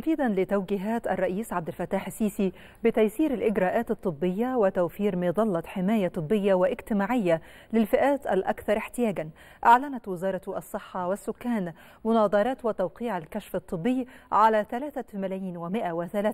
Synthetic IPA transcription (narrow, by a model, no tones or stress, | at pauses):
mfiːd̪ænlɪt̪awɡɪɦaːt̪ʔɑ̰rˤːɑʔiːsʕab̚d̪ɪlfæt̪ːaːħsːiːsi | bɪt̪æjsiːɾalʔɪɡɾɑːʔaːt̪ɨt̪ˤːɨbːɪjːawɪt̪awfiːɾmɪd̪ˤɑlːɑt̪ħɪmæːjat̪ˤɨbːɪjːawɪʔɪɡt̪ɪmaːʕɪjːa | lɪlfɪʔæːt̪ʔælʔa̰kθɑɾˤʔɪħt̪ɪjaːɡan | ʔaʕlænæt̪wɪzɑːɾˤɑt̪ʔɑsˤːɨħːɑwɪsːʊkːæːn | mʊnɑːd̪ˤɑɾˤɑːt̪wɪt̪awqiːʕalkæʃfɑt̪ˤːɨbːɪjːʕalæːθælaːθamælæːjiːnwɪmɪʔawɪθælaː